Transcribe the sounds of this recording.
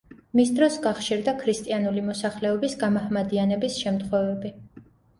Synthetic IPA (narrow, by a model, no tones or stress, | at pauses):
misd̪ɾɔsɡaχʃiɾd̪akʰɾist̪ʼianulimɔsaχlɛɔbisɡamahmad̪ianɛbisʃɛmt̪ʰχwɛvɛbi